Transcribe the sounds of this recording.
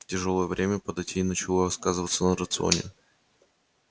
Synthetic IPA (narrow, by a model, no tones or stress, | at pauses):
tʲɪʐolˠəjəvɾʲʔemʲəpəd̪ɐjtʲiːnət͡ɕɪlˠoɐskazɨvət̪sənəɾət̪sɨo̰nʲɪ̰